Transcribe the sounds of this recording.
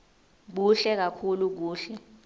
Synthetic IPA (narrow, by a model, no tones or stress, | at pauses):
ɓuɬɛk̬akʰuluk̬uːɬɛ